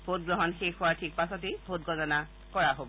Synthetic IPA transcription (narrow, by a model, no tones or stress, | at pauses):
bʱot̚ɡɹɔɦɔnxexuaɹtʰik̚pasɔtebʱot̚ɡɔnɔna | kɔɹaɦobɔ